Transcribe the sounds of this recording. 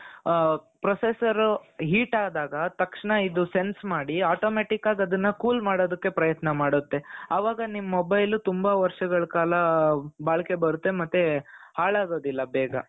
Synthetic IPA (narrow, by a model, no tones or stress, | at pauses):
pɾosesɐɾuɦiːʈaːd̪aːɡɐt̪ɐkʂɐɳɐid̪use̞nsmaːɽiaːʈoːmeːʈikaːɡɐd̪ɐnːɐkuːlmaːɽo̞ːd̪ɐkːe̞pɾɐjɐt̪nɐmaːɽut̪ːe̞ɐʋaːɡɐnimɐmobɐjlut̪umbɐʋɐɾʂɐɡɐɭɐkaːlɐbaːɭɐke̞bɐɾut̪ːe̞mɐt̪ːehaːɭaːɡo̞ːd̪ilːɐbɛːɡɐ